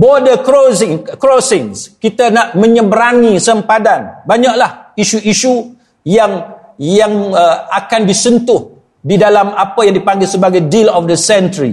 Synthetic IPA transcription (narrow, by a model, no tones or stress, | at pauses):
bodəkɾosɪŋkɾosɪŋskit̪anaʔmə̃ɲə̃bəɾanĩsəmpadanbaɲaʔlahiʃuʔiʃu | jaŋjaŋəakanbisənt̪ʊh | didalamapajaŋdipaŋɡɪlsəbaɡajdilɔfdəsɛntɾḭ